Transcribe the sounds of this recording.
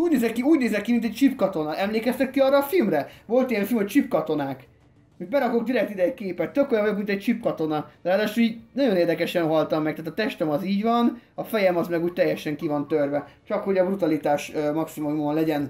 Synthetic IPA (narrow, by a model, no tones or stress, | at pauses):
uːɟneːzɛkːiuːɟneːzɛkːimint̪ɛc̚t͡ʃipkɒt̪o̞nɒʔɛmleːkɛst̪ɛkːiɒrːɒːfilmɾɛvo̞lt̪ijɛɱfilmoc̚t͡ʃipkɒt̪o̞naːk | mibɛɾɒko̞ɡ̚d̪iɾɛkt̪id̪ɛjkeːpɛt̪ːøko̞jɒ̃jobmint̪ɛc̚t͡ʃipkɒt̪o̞nɒaːd̪aːʃoiːɟnɒjo̞neːrd̪ɛkɛʃɛnɦɒlt̪ɒmːɛk̚t̪aːt̪ɒt̪ɛʃt̪ømɒziːɟvɒnɒfɛjɛmɒzmɛɡuːc̚t̪ɛjːɛʃɛŋkivɒnt̪ørvɛt͡ʃɒkho̞ɟɒbrut̪ɒlit̪aːʃmɒksimumumonlɛɟɛn